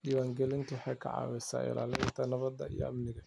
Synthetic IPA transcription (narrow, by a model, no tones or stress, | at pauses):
dɪwaːŋɡɛlɪnt̪ʰʊwħɑjkʰɑ̰ʕɑ̰ːwɛsa̰ːɪ̰la̰ːlɛnt̪ʰɐnɐβɐd̪ːɐḭjɔ̰ʔɐ̰mnɪɣɐ